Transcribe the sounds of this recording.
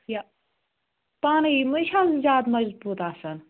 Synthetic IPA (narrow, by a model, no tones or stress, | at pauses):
ja | paːnimɨʃʰaːszʲaːd̪mɐzbuːt̪aːsɐn